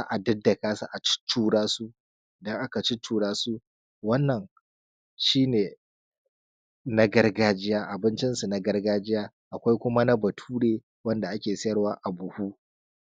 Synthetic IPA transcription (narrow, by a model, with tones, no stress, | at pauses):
a˦ʔa˨dɐ˦dːɐ˨kaː˦sa˨ʔa˨t͡ʃɪ̥˦tʰːuː˦ɽaː˦su˦ | ʔɪ˨dɐ˦ŋʔa˦ka˨t͡ʃɪ˦tʰuː˦ɽaː˦su˦ | wɐ˦nːɐ˨ŋ | ʃiː˦neː˨ | na˦ɡɐ˦rɡaː˦d͡ʒɪ˦jaː˦ʔa˨bɪ˦nt͡ʃɪ˦nsu˨na˦ɡɐ˦rɡaː˦d͡ʒɪ˦jaː˦ | ʔa˨kʷa˦jkʷʊ˦ma˦na˦bɐ˨tʰuː˦ɽeː˦ | wɐ˦nda˨ʔa˦kʲeː˨sɐ˦jɐ˦rwaː˦ʔa˨bʊ˨huː˦